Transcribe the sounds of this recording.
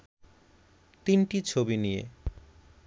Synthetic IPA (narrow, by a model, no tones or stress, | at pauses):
t̪inʈit͡ɕʰobinijḛ